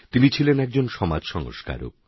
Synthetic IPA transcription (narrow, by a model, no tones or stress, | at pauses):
t̪init͡ɕʰilenɛk̚d͡ʑonʃɔmad͡ʑʃɔŋo̰ʃka̰ɾo̰